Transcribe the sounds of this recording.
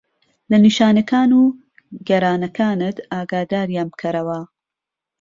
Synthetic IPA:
lɐniʃaːnɐkaːnu | ɡɛɾaːnɐkʰaːnɨt̪aːɡaːd̪aːɾijaːnbkʰɐɾɐwɐ

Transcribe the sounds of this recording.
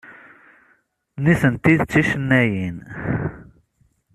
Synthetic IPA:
niθənt̪iðt͡sːiʃənːæjin

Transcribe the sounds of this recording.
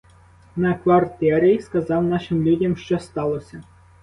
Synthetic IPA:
nɐkʋɐrt̪ɛɾʲiskɐzɑwnɑʃɪmlʲudʲɐmʃt͡ʃɔst̪ɑlˠɔsʲɐ

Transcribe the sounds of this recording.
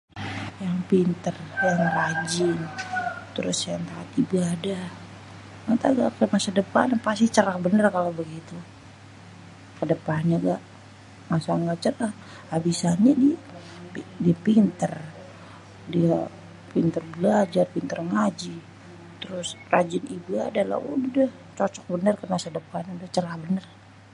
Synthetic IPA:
jaŋpint̪ərjaŋrad͡ʒɪnt̪əɾʊsjaŋt̪aːt̪ibaːda | mat̪aɡaʔkəmasadəpanapasit͡ʃəɾahbənərkalobəɡit̪u | kədəpanɲaɡaʔ | masaŋɡaʔt͡ʃəɾah | habisaɲadi | diapint̪ər | dia | pint̪ərbəlad͡ʒarpint̪ərŋad͡ʒi | t̪əɾʊsrad͡ʒɪnibua̰dala̰ṵdəh | t͡ʃɔt͡ʃɔk̚bənərkəmasadəpandaht͡ʃəɾahbənər

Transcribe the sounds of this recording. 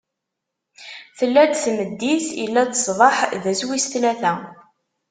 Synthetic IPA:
θəlːæd̪θməd̪ːiθiə̰lːæt͡s̪ːə̥sˤðˤɑħðæswisθlæθæ

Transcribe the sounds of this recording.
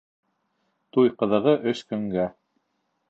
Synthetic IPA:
t̪ujqɤ̆ðɤ̆ʁɤʔɵskɵ̆ŋɡæ

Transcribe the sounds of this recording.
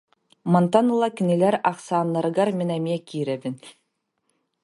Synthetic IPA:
mant̪ɑnɤlˠɑkʲɘ̆nɘ̆lʲæɾɑχsɑːnːɑɾɤ̆ɡɑɾmʲinæmʲiɛkʲiɾæbɘn

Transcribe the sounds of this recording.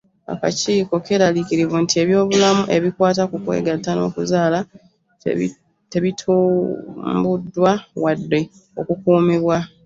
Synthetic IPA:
a̰ka̰ciːko̞ke̞ːɾalikiɾivuntie̞βjo̞ːβulamuʔe̞βikwaːt̬akukwe̞̰ːɡatːano̞̰ːkuzaːla | te̞βitʰu | mbudːwawadːe̞ | o̞kukuːmiβwa

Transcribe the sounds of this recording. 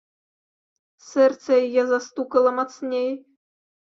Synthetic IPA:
sɛrt̪sɐjajɛzast̪ukɐlˠɐmat̪snʲej

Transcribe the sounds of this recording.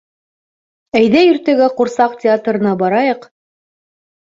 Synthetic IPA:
æjðæjɵ̆ɾt̪æɡæquɾsɑq̚tʲɪat̪rɤ̆nɑbɑɾɑjɤq

